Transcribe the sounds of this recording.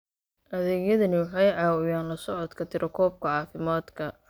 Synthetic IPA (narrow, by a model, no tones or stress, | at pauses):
ʔɐðɛːɣjɐðɐnɪwɑħɑjʕɑːwɔjaːnlɐsɔʕɔd̪kʰɐt̪ʰɪɾʔɔkʰɔːb̚kʰɐʕɑːfɪmaːd̪kʰɐ